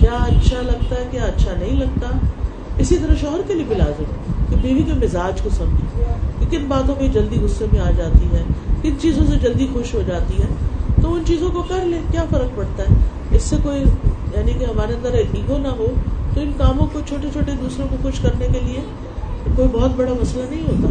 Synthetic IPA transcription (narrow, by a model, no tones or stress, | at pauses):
kjaːɐtːʃʰalɐɡ̚t̪aɦɛkjaːɐtːʃʰanɐɦĩlɐɡ̚t̪aɦɛ | ɪsit̪ɐɾəʃɔːɦəɾkeliebʱila̰ːzɪmɦɛkebiːʋikemɪzaːd͡ʒkosɐ̃md͡ʒẽkekɪnbaːt̪õked͡ʒɐld̪iɣʊsːemẽaːd͡ʒaːt̪iɦɛːkɪnt͡ʃiːzõs̬ed͡ʒɐld̪ixʊʃɦod͡ʒaːt̪iɦɛːt̪oʊnt͡ʃiːzõkokɐɾlekjaːfɐɾək̚pɐɽt̪aɦɛː | ɪsːekoːijaːnikeɦɐmaːɾeɐ̃nd̪əɾɛbĩːɡonaɦot̪oɪnkaːmõkot͡ʃʰoːʈet͡ʃʰoːʈed̪uːsɾõkoxʊʃkɐɾnekelie | koːibɔːt̪̚bɐɽamɐslanɐɦĩɦoːt̪aː